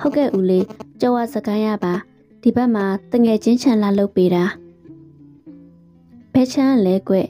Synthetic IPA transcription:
ho˦ʊkːɛ̰˦˨ʔu˨le˨t͡ɕɔ˦˨wa˦˨zə˨ɡã˦ɪ̃˦ja̰˦˨ba˨ | d̥i˨bɛ˦ʔm̥a˨t̪ə˨ŋɛ˨d͡ʑɪ̃˦ɲt͡ɕʰã˨la˨lo˦ʊpːe˦ɾa˨ | b̥ɛ˦˨t͡ɕʰã˦˨lɛ˦kwɛ̰˦˨ʔ

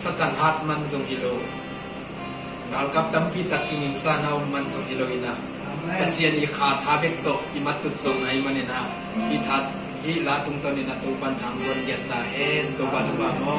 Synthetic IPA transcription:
t̪a˦ka˨nɦa˦t̪̚ma˧˨nzʊ˨˧ŋʔi˧lo˨˧˨ | ɡa˨lka˦˧p̚t̪a˨˦mpiː˦˨t̪a˨k̚ki˧ŋi˨ksaː˧˨nɐ˧wma˧˨nzʊ˧ŋʔi˧˨lo˧wi˨na˨ | pɐ˨si˧˨ənʔi˨kʰaː˨˧t̪ʰaː˨˦bɛ˦k̚t̪ɔ˧˨ʔʔi˨mɐ˦t̪ːu˨t̪̚sɔ˨ʔŋɐ˨˦jma˧˨nɛ˨na˨ | pi˧˨t̪ʰa˧˦t̪̚ | hi˦ʔlaː˨˦t̪u˧˦ŋt̪ɔ˧˨nɛ˨na˨t̪u˧ba˧˨nha˨˦ŋbu˧nɡɛ˨t̪̚t̪aː˨ɦɛ˧nt̪o˨˧ba˧nu˨ba˧˨mɔ˧˦

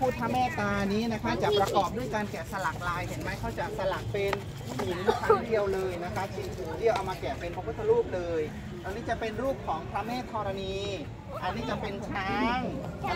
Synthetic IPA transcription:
pʰuː˥˩t̪ʰːa˦˧˥meː˥˩t̪aː˧niː˦˥na˦˥kʰa˦˥t͡ɕa˨˩ʔpɾa˧kɔː˨˩p̚du˥˩əjkaː˧nkɛː˨˩sa˧la˨˩k̚laː˧jɦe˩˦nma˧˥˩jkʰa˥˩wt͡ɕa˨˩sa˧la˨˩k̚pe˧n | sʰu˩˦˧kʰaː˧˨˦ŋdi˧əwlɤː˧jna˦˥kʰa˦˥sʰi˧˩kʰuː˨˩˦di˧˩əwʔa˧wmaː˧kɛː˨˩pe˧nɔ˧˥kt̪ʰːa˧ɾuː˥˩p̚lɤː˧j | t̪aː˧niː˦˥t͡ɕa˨˩pe˧nɾuː˥˩p̚kʰɔː˩˦ŋpʰɾa˦˥mɛː˥˩t̪ʰːɔː˧ɾa˧niː˧ | ʔa˧nːiː˦˥˩t͡ɕa˨˩pe˧nkʰɾaː˦˥ŋ˧

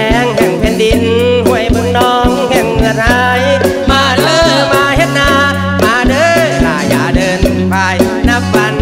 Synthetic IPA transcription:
ɛː˧ŋhɛ˨˧˩ŋpʰɛ˧˥ndi˧nhu˧˩əjbɯ˧˥ŋnɔː˧˥ŋhɛ˧˩ŋːɯ˧˩ət̪̚ʰa˧˩j | maː˧˩lɤː˧˥maː˧he˧˥t̪̚naː˧ | maː˧dɤː˧˥ɾaː˧˩jʔaː˨˧˩dɤː˧n | pa˧j | na˧˥p̚fa˧n

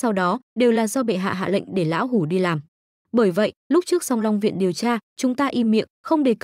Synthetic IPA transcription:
sa˧wɗɔ˨˦ɗe˨˩wlaː˨˩zɔ˧ɓḛ˧˨ɦa̰ː˧˨ɦa̰ː˧˨lḭ̈˧˨ŋ̟ɗe˧˩la̰ː˧˥wɦu˧˩ɗi˧laː˨˩m | ɓəː˧˩jvə̰˧˨jlʊ˦˥k͡p̚t͡ɕɨ˦˥ək̚z̥a˧wŋ͡mla˧wŋ͡mvḭ˧˨ənɗi˨˩əwt͡ɕaː˧t͡ɕʊ˨˦ŋ͡mt̪aː˧ʔi˧mḭ˧˨əŋxə˧wŋ͡mɗe˨˩k

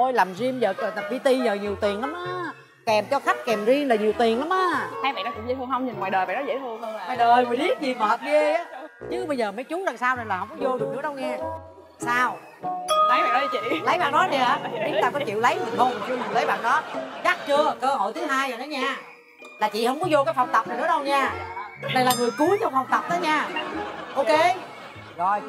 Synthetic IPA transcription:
o˧jlaː˨˩mzi˧əmzəː˨˩kə˨˩t̪a˨˩p̚ɓi˧t̪i˧zəː˨˩ɲi˨˩əwt̪i˨˩əŋʔla˨˦mʔaː˧˦ | kɛ˨˩mt͡ɕɔ˧xa˦˥jk̟̚kɛ˨˩mzi˧əŋlaː˨˩ɲi˨˩əwt̪i˨˩əŋla˨˦mʔaː˨˦ha˧jɓa̰˧˨nɔ˨˦kʊ̰˧˥ŋ͡mzə˧˦t̪ɨ˧əŋhə˧wŋ͡mɲi˨˩nwaː˨jɗəː˨˩jɓa̰ː˧˨nɔ˦zḛ˧˥jt̪ʰɨ˧əŋhə˧wŋ͡mwaː˨jɗəː˨˩jməː˨˩ɓi˦˥ət̚vi˨˩k̚ːə˨˩p̚ve˧˩aː˨˦ɲɨ˨˦ɓə˧jzəː˨˩mə˨˦jt͡ɕʊ˨˦laː˨˩ŋsaː˧wnə˨˩nlaː˨˩hə˧wŋ͡mkɔ˨˦zo˧zŋ̚nɗɨ˨˦˥ɗə˧wŋɛ˧ | saː˧w | lə˨˦jaː˧˨ɔ˨˦˧t͡ɕḭ˧˨lə˨˦jɓaː˨˩ŋɗɔ˨˦˥ɗi˧˩əː˨˦˨t̪aː˧kɔ˨˦t͡ɕḭ˧˨əwlə˨˦jɲi˨˩nho˧wn˨˩t͡ɕɲi˨˩lə˨˦jɓa̰ː˧˨˩ŋɗɔ˨˦za˦˥t̚t͡ɕɨ˧əkəː˧ho̰˧˨jt̪ʰɨ˨˦ɦaː˧jəː˨˩nɔ˨˦ɲaː˧ | laː˨˩t͡ɕḭ˧˨hə˧wŋ͡mkɔ˨˦zo˧kaː˨˦jfa˨˩wŋ͡mt̪ə˨˩p̚na˨˩n̰ɨ˧˥ə˥ɗə˧wɲaː˧ɗə˧jlaː˨˩ŋɨ˨˩əjku˨˦ət͡ɕɔ˧wŋ͡mfa˨˩wŋ͡mt̪ə˨˩wp̚nəː˨˦ɲaː˧ʔo˧ke˧ | zo˨˩j

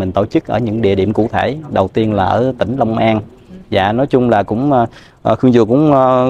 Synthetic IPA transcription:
ï˨˩ŋ̟t̪o̰˧˩t͡ɕɨ˦˥k̚ʔəː˧˩ɲɨ̰˧˥ŋɗḭ˧˨ɗi˧˨əmkṵ˧˨t̪ʰe˧˩ɗə˨˩wt̪i˧ənlaː˨˩ʔəː˧˩t̪ï˧˩ŋ̟lə˧wŋ͡mʔaː˧n | za̰ː˧˨nɔ˨˦jt͡ɕʊ˧ŋ͡mlaː˨˩kʊ̰˧˥ŋ͡m | ʔxɨ˧ŋzɨ˨˩əkʊ̰˧˥ŋ͡m

